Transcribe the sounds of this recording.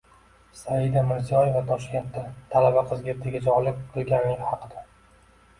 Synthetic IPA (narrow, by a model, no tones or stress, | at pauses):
saɪd̪amɪɾzijɒjevat̪ʰɒʃkʲe̞nt̪d̪at̪ʰalabaqʰɨzɡʲet̪ʰɪɡʲad͡ʒɒʁlɪk̚ʲqʰɨlˠɡʲanlɪɡʲhɑqʰɨd̪a